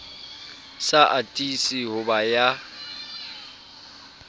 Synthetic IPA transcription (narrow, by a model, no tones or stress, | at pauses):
saʔatʼisihʊbaja